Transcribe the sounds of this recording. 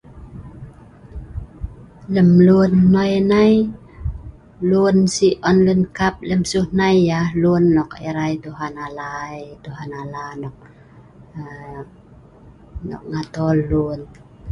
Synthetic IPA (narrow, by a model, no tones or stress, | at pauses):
lɛmlunːɔjnaj | luənsiʔɔnlɯnkap̚lɛmsunajːaluənːɔk̚ɛ̰ɾajt̪uɦanaːlaːjt̪uɦanaːlaːnɔk̚ː | nɔ̰k̚ŋaːt̪ɔllun